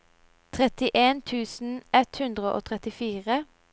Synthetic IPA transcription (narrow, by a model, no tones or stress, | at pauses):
t̪ʰʁɛt̪ɪʔeːnt̪ʰʉːsn̩ɛt̪hʉnd̪ʁəʔo̰ːt̪ʰʁɛt̪ɪfiːʁə